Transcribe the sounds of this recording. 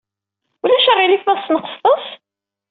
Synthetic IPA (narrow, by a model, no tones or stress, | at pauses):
ulæʃæʁilifæsnəqə̥stˤəs